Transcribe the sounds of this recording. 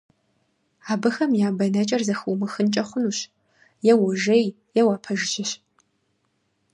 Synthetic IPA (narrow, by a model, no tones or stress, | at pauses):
aːbɨxɐmjaːbɐnɐt͡ʃʼɐrzɐxuwmɨxɨnt͡ʃʼɐχʷʊnuːɕ | jɛwʊʒɐj | jɛwapʰɐʒɪʒɪɕ